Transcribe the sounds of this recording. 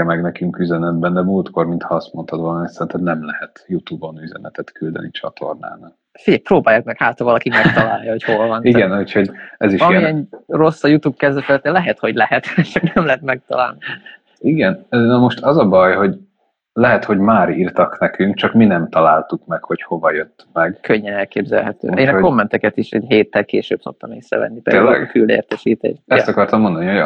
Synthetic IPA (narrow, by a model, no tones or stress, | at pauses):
ɛmɛɡnɛkyŋkyzɛnɛd̪bɛnd̪ɛmuːlt̪ko̞rmint̪hɒɒst̪mo̞nt̪ʰɒd̪ʋɒlɒmit̪sɛɾint̪ɛmnɛmlɛhɛt̪jut̪ubo̞nyzɛ̰nɛt̪ɛt̪kyld̪ɛ̰nit͡ʃɒ̰t̪ʰo̞̰rna̰ːnal | fiɟɛjproːbaːjakmɛkhaːt̪hɒvɒlɒkimɛkt̪ɒlaːjjɒhocholvɒniɡɛnhucho̞ɟɛziʃɒjmiɛro̞sːɒjut̪uːb̚kɛzd̪ɛfɛt̪ːɛlɛɦɛt̪ho̞ɟlɛɦɛt̪t͡ʃɒknɛmlɛɦɛt̪mɛk̚t̪ɒ̰la̰ːlni | iɡɛnːnɒmo̞ʃt̪ɒzɒbɒjho̞ɟ | lɛɦɛt̪ho̞ɟmaːɾiːrt̪ɒknɛkyŋkt͡ʃɒkminɛmt̪ɒlaːlt̪ukmɛkho̞cho̞vɒjøt̪ːmɛɡkʰøɲːɛnɛlkeːbzɛ̰lɦɛt̪ø̰ːʔeːnko̞mːɛnt̪ɛkɛt̪iʃɛ̰ɟɦeːt̪ːɛlkeːʃø̰ːb̚so̞̰k̚t̪ɒmeːsrɛ̰vɛ̰nːipḛːelɛ̰ɡkylḛːrt̪ɛʃiːt̪ḛːʃt̪ɛt̪ɒkɒrt̪ɒmːo̞nd̪ɒniho̞